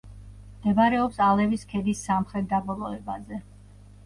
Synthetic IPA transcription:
md̪̥ɛbaɾɛɔpsalɛviskʰɛd̪isːamχɾɛt̪̚d̪abɔlˠɔɛbazɛ

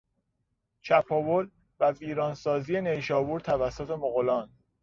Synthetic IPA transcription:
t͡ʃʰæpʰɒvol | væviːɾɒːnsɒːzije̞nejʃɒːbuːɾt̪ʰævæsːot̪ʰe̞moɣolɒːn

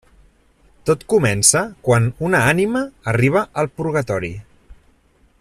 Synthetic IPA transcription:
t̪ot̪kumɛnsəkwanunəaniməːriβ̞əʔəlˠpuɾɣət̪ɔɾḭ

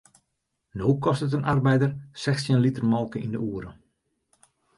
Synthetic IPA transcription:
noːkʰɔstət̬ənʔarbɛjdərsɛxsjənlitərmɔlˠkəindəuəɾə

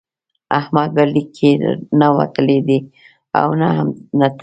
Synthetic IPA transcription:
ahmad̪̚balikʰːenawa̰t̪əled̪i | a̰wnaamnat̪

